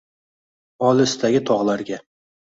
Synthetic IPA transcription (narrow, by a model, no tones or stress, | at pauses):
ɒlɪst̪ʰaɡʲɪt̪ʰɒʁlˠaɾɡʲa